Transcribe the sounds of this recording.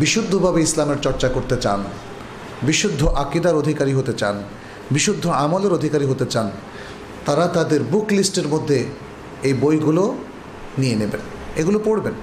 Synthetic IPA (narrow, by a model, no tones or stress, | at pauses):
biʃud̪ʱːobʱabeislameɾt͡ɕɔɾt͡ɕakoɾt̪et͡ɕan | biʃud̪ʱːoʔakid̪aɾod̪ʱikaɾiɦot̪et͡ɕan | biʃud̪ʱːoamoleɾod̪ʱikaɾiɦot̪et͡ɕan | t̪aɾat̪ad̪eɾbuklisʈeɾmod̪ʱːe | ejbojɡulo | nienebḛn | eɡulopoɽben